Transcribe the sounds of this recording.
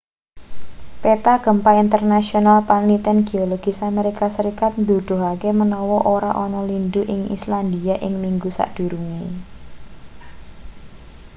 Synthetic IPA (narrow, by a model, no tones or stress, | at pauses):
pet̪aɡ̥ə̤mpaint̪ərnasionalpanlit̪ɛnɡ̥eoloɡ̥isameɾikasəɾikat̪̚nd̪ud̪̥ʊ̤ɦakemənɔwɔʔoɾa̰ʔɔnɔlinduʔɪŋḭsland̪iaʔɪŋmiŋɡusa̰ʔd̪̥ṳɾuŋi